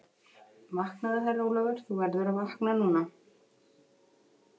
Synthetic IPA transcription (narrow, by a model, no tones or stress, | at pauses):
vahknaðaθarulavʏɾ̥θuvɛɾðʏɾavahknanuːna